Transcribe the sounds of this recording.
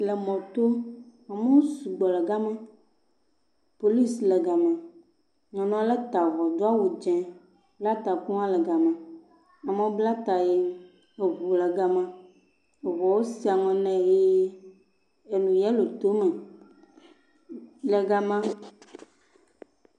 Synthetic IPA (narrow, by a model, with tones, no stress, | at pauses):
lɛ˨mɔ̃˨t̪o˦a˨me˦wo˦su˨ɡ͡bɔ˨lɛ˨ɡa˦mã˦ | po˨li˦slɛ˨ɡa˨mã˨ | ɲɔ̃˨nɔ̃˦a˦lɛ˦t̪a˨vɔ˨d̪o˦a˦wo˨d͡ʒɛ̃˨ | bla˦t̪a˨ku˦ã˦lɛ˨ɡa˨mã˨ | a˨mẽ˦wo˦bla˦t̪a˨je˦ | e˨ɦu˨lɛ˨ɡa˦mã˦ | e˨vɔ˨wo˦si˦a˨ŋɔ̃˨nɛ̃˦˨je˦ | e˨nũ˨jɛ˦lo˨t̪o˦mɛ̃˨ | le˨ɡa˨mã˦